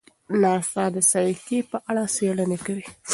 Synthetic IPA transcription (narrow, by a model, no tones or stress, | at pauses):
nɑsɑd̪əsajkepəʔaɽɑseɽənekawi